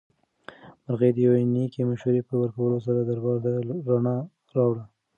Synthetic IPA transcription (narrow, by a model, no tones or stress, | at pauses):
maɾɣed̪əjawenikemaʃuɾepəwəɾkawəlosaɾad̪aɾbɑɾt̪aɾanɑ | ɾɑwɽa